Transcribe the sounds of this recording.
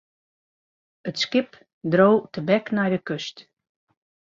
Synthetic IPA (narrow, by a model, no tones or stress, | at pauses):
ətskɪp | drowtəbɛknajdəkøst